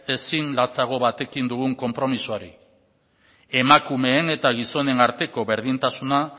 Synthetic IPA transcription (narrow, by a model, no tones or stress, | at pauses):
e̞sinlat͡saɣ̞o̞βat̪e̞kind̪uɣ̞uŋko̞mpɾo̞misuaɾḭ | e̞makume̞ːne̞t̪aɣ̞iso̞ne̞naɾt̪e̞ko̞βe̞ɾð̞int̪asuna